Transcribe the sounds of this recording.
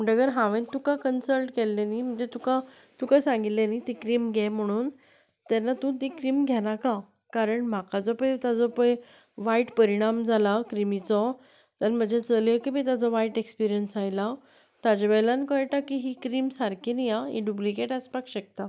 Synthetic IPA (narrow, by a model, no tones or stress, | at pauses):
m̤əɳʈəɡəɾɦãʋẽnt̪ukakənsəlʈkelːenim̤əɳd͡zet̪uka | t̪ukasãŋɡit̪lenit̪ikɾiːmɡʱjɛm̤əɽ̃uːn | t̪ɛnːat̪ũt̪ikɾiːmɡʱɛñaka | kaɾəɳm̤akad͡zɔpəjt̪ad͡zɔpəj | ʋaiʈpəɾiɽ̃amd͡zʱalakɾimit͡sɔ | t̪əɾm̤əd͡ʑet͡səljəkibit̪ad͡zɔʋaiʈekspiɾijənsajla | t̪ad͡ʑaʋɛjlankɔjʈakiɦikɾiːmsaɾkʰinijaɦḭɖublikeʈəspakɕək̚t̪a